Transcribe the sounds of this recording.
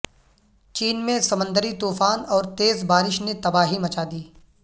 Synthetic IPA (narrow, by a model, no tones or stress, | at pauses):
t͡ʃiːnmẽsɐmə̃nd̪ʱəɾit̪uːfaːnɔːɾt̪eːzbaːɾɪʃnet̪ɐbaːɦimɐt͡ʃaːd̪iː